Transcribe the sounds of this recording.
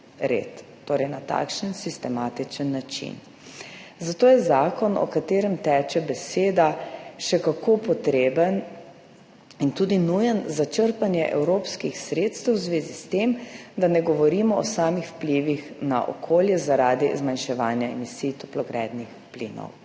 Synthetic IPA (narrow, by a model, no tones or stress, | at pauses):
ɾḛt̪ːoːɾɛjnat̪a̰ːkʃənsist̪ɛmaːt̪it͡ʃənːat͡ʃḭn | zat̪oːjɛzaːkɔnɔ̰kat̪eːɾɛmt̪ɛːt͡ʃɛbɛseːd̪aʃɛkakopɔt̪ɾeːbən | int̪uːd̪inujənzat͡ʃəɾpanjɛʔɛ̰wɾoːpskixsɾeːt̪st̪əwzʋeːzist̪emd̪anɛɡɔʋɔɾiːmɔɔsaːmixwpliʋixna̰ʔɔ̰kʰoːljɛzaɾaːd̪izmanʃɛʋaːnjaɛ̰misijt̪ɔplɔɡɾɛ̰ːd̪nixplḭːnɔ̰w